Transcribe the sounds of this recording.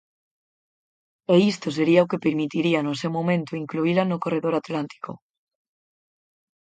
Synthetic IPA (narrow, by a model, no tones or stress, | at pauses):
eist̪os̬eɾiaokepeɾmit̪iɾianosewmomẽnt̪oiŋkluilanokoreðoɾat̪lant̪ʰi̥ko